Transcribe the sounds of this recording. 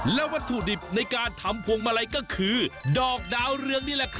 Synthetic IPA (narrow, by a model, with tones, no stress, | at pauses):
lɛː˦˥wa˦˥nt̪ʰu˨˩di˨˩p̚na˧jkaː˧nt̪ʰa˧mpʰu˧əŋma˧ɾa˧jkɔː˥˩kʰɯː˧dɔː˨˩k̚daː˧wɾɯ˧əŋniː˥˩lɛ˨˩ʔkʰ